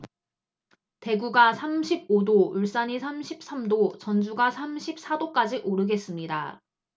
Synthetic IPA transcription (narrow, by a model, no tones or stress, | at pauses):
te̞ɡuɡasʰamɕʰib̚odouɭs͈aɲisʰamɕʰip̚s͈amdot͡ɕʌnd͡ʑuɡasʰamɕʰip̚s͈ʰadok͈ad͡ʑiʔoɾɯɡe̞s͈ɯmɲida̰